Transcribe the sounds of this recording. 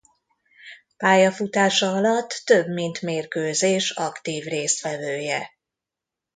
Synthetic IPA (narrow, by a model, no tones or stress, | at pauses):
paːjɒfut̪aːʃɒɒlɒt̪ːø̞bmint̪meːrkøːzeːʃɒkt̪iːvreːst̪ʋɛvøːjɛ